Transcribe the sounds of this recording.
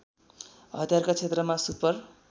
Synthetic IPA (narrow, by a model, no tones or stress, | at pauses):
ɦʌ̰d̪ʱjarkat͡sʰet̪rʌmasupʌr